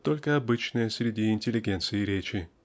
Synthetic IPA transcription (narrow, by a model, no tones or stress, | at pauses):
t̪ːo̞lʲkəɐbɨt͡ɕnɨjəsɾʲɪdʲiɪnʲtʲɪlʲɪɡʲent̪sɨɪɾʲet͡ɕɪ